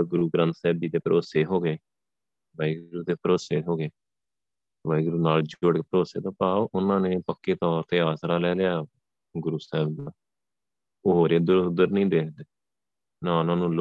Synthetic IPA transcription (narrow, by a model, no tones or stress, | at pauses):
ɡʊɾuːɡɾə̃nt̪sɛːbiːt̪eːpəɾʔoːseːɦoːɡeː | baːiːɡɾuːt̪eːpəɾoːseːɦoːɡeː | ʋaːiːɡʊɾuːnaːld͡ʒoɽkeːpəɾoːseːt̪ãːpaːoʔʊnãːnẽːpəkːeːt̪ɔːɾt̪eːaːsɾaːlɛːlɪjaː | ɡʊɾuːsɛːbnaː | oːɦoːɾeːd̪əɾʊd̪əɾnəĩːd̪eːkd̪eː | naːʊnãːnũːl